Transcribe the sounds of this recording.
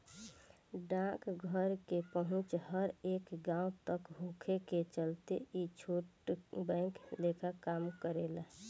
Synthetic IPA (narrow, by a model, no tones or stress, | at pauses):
ɖãkɡʱəɾkepəɦʊ̃t͡ʃhəɾeːkɡãũt̪əkɦũkʰeket͡ʃəlt̪ḛit͡ʃʰuʈbə̃ɪklekʰakamkəɾel